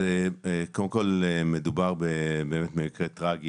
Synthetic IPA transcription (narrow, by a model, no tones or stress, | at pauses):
ekodemko̞lemedubaʁbebe̞ːmetmemikʁetʁaɡi